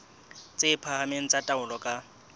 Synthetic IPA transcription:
t͡sʼɪpʰaɦameŋ̩t͡sʼatʼaʊlɔkʼa

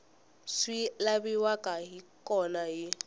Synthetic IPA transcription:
silabiwakʼaɦikʼɔnajɪ

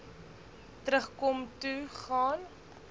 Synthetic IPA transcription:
təɾəχkɔmtuχɑːn

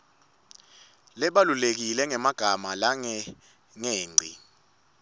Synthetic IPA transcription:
lɛɓalulek̬ilɛŋɛmaɡ̥ʱamalaŋɛ | ŋeːŋ͡ǀʱi

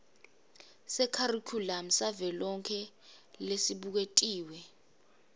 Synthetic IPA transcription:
sɛkʰarikʰulam̩savɛlɔŋkʰɛ | lesiɓuk̬etʼiːwɛ

